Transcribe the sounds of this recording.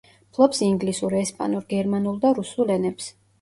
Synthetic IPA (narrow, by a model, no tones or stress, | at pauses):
pʰlˠɔpsiŋɡlisuɾɛspʼa̰nuɾɡɛɾmanulˠd̪aɾusulˠɛnɛps